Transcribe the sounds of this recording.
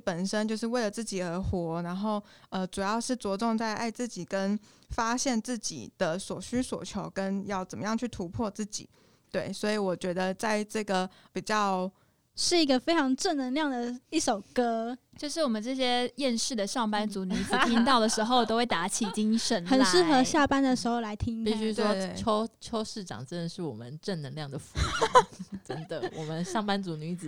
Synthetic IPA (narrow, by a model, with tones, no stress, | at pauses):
pə˨˩nʂə˥nt͡ɕjo˥˧ʊʂ̬ɻ̩˥˧we˥˩ɪlə˩t͡sɹ̩˥˩t͡ɕi˨˩ə˧˥xwɔ˧˥na˧˥nxo˥˩ʊ | ə˧ʈ͡ʂu˨˩jɑ˥˧ʊʂɻ̩˥˩t͡swɔ˧˥ʈ͡ʂʊ˥˧ŋt͡sa˥˧ɪʔa̰˥˧ɪt͡sɹ̩˥˩t͡ɕi˨˩kə˥nfa˥ɕjɛ˥˧nt͡sɹ̩˥˩t͡ɕḭ˨˩d̪̥ə˦swɔ˨˩ɕy˥swɔ˨˩t͡ɕʰjo˧˥ʊkə˦˥njɑ˥˩ʊt͡sə˨˩mə˦jɑ˥˧ŋt͡ɕʰy˥˩t̪ʰu˧˥pʰwɔ˥˧t͡sɹ̩˥˩t͡ɕḭ˨˩˦ | t̪we˥˩ɪswɔ˧˥i˧˥wɔ˨˩t͡ɕɥɛ˧˥d̪ə˧t͡sa˥˧ɪʈ͡ʂɤ˥˩ɡə˩pi˨˩t͡ɕjɑ˥˩ʊ | ʂɻ̩˥˩i˧˥ɡə˧fe˥ɪʈ͡ʂʰɑ˧˥ŋʈ͡ʂə˥˩nnə˧˥nljɑ˥˩ŋd̪ə˩i˥˩ʂo˨˩ʊkɤ˥t͡ɕjo˥˧ʊʂ̬ɻ̩˥˩wɔ˨˩mə˦nʈ͡ʂɤ˥˩ɕ̬jɛ˥jɛ˥˧nʂɻ̩˥˩d̪ə˩ʂɑ˥˩ŋpa˥nt͡su˧˥ny˧˥fu˧˥i˥˧˥ŋt̪ɑ˥˩ʊd̪ə˩ʂɻ̩˧˥xo˥˧ʊ˨t̪o˥ʊxwe˥˩ɪt̪a˧˥t͡ɕʰi˨˩t͡ɕi˥ŋʂə˧˥nxə˨˩nʂɻ̩˥˩xɤ˧˥ɕja˥˨pa˥nd̪ə˨ʂɻ̩˧˥xo˧˩ʊla˧˥ɪt̪ʰi˥ŋpi˧ɕy˥ʂwɔ˦˥˩t͡ɕʰo˥ʊt͡ɕʰo˥ʊʂɻ̩˥˩ʈ͡ʂɑ̰˨˩ŋʈ͡ʂə˥nd̪ə˨˩ʂɻ̩˥˩wɔ̰˨˩mə˦nʈ͡ʂə˥˩nnə˧˥ŋljɑ˥˩ŋd̪ə˩fu˧˥˦ʈ͡ʂə˦˥nd̪ə˨˩wwɔ˨˩mə˦nʂɑ˥˩ŋpa˥nt͡su˧˥ny˧˥t͡sɹ̩˨˩